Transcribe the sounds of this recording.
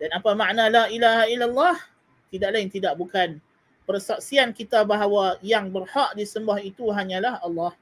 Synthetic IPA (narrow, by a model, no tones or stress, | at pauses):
danapamãʔnãlaʔilaɦailalːɑh | t̪idaʔlaɪnt̪idaʔbukan | pərsaʔsiankit̪abaɦawajaŋbərhaʔdisəmbahit̪uɦaɲãlahɑlːɑh